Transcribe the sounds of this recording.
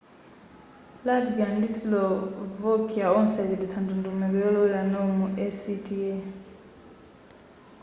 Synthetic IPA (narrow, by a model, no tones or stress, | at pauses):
labɡandislɔvɔkiaɔnsadilit͡sʰandundumɛβɛjɔlɔwɛlanɔmuʔɛsitʰʼiɛ